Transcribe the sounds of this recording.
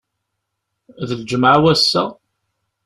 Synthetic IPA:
ðəld͡ʒəməʕwæsːæ̰

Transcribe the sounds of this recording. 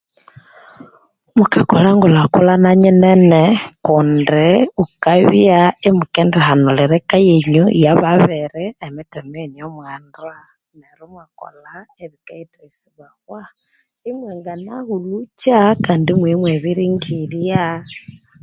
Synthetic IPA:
mukakolaŋɡulakulanaɲenenekundiukaβjaimukendehanoleɾekajeɲṵjaβaβeɾɛːmitemenjomwandwa | neɾumwako̰la | eβikaitesiβaɣwa | imweːŋɡanaɣulut͡ʃakaːndimwimweβiɾiŋɡilja

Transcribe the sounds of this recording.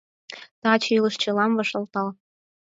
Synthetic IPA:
t̪ɑt͡ɕilə̆ʃt͡ɕĕlɑmvɤ̆ʃɤ̆lt̪ɑl

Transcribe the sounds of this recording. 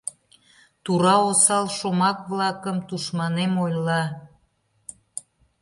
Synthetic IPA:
t̪uɾɑosɑlʃomɑkβlɑkəmt̪uʃmɑnemojlɑ

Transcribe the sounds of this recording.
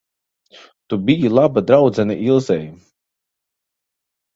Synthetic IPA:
t̪ubijilˠabad̪ɾawd̪zɛniʔilˠzɛj

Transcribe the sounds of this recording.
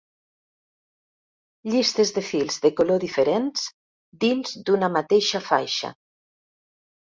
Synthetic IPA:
ʎist̪ezðefilˠzðekoloðifeɾenz̥ | d̪inzd̪unamat̪eʃafa̰jʃa̰

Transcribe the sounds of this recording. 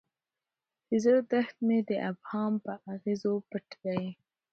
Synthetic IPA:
hɪzəɾd̪axt̪med̪əʔabhɑːmpəʔaɣizopəʈd̪a

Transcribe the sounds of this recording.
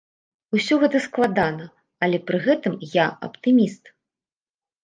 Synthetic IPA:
usʲɔɣɛt̪ɐsklˠad̪anɐ | ɐlʲɛpɾɨɣɛt̪ɨmjaɐ̰pt̪ɨmʲist̪

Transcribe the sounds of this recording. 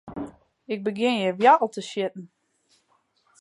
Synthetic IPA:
ɪk̚bəɡɪnjəʋjaʔl̩ˠtəʃjɪtn̩

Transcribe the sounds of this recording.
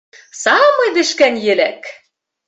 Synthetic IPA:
sɑmɤjd̪ɘ̆ʃkænjɘ̆læk

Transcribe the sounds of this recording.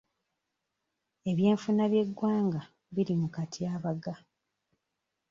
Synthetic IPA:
e̞βje̞ːɱfunaβje̞ɡːwaːŋɡa | βiɾimukatʰiaːβaɡa

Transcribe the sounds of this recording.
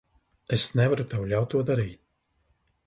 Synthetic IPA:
ɛsnɛvaɾut̪awlʲawt̪ːuɔd̪aɾiːt̪̚ʲ

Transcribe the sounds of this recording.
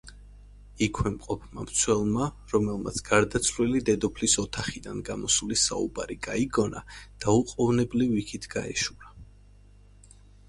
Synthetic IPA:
ikʰwɛmqʼɔpʰma̰mt̪sʰwɛlˠma | ɾɔmɛlˠma̰t̪sʰɡ̥aɾd̪at̪sʰvlilid̪ɛd̪ɔpʰlisɔt̪ʰaχid̪anɡamɔsulisa̰ṵbaɾiɡaiɡɔna̰d̪̥auqʼɔvnɛblivikʰit̪ʰɡ̥a̰ɛ̰ʃuɾa

